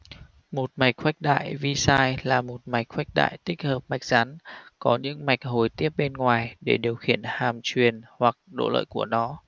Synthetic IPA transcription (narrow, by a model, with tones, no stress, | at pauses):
mo˨˩t̚ma˨˩jk̚xwa˦˥jk̟̚ɗa̰ː˧˨jvi˧saː˧jlaː˨˩mo˨˩t̚ma˨˩jk̚xwa˦˥jk̟̚ɗa̰ː˧˨jt̪ï˦˥k̚həː˨˩p̚ma˨˩jk̟̚z̥a˨˦nkɔ˨˦ɲɨ̰˧˥ŋma˨˩jk̟̚ɦo˨˩jt̪i˦˥əp̚ɓe˧nŋwaː˨˩jɗe˧˩ɗi˨˩əwxḭ˧˩ənhaː˨˩mt͡ɕwi˨˩ənhwa˨˩k̚ɗo̰˧˨lə̰ː˧˨jku˧˩ənɔ˨˦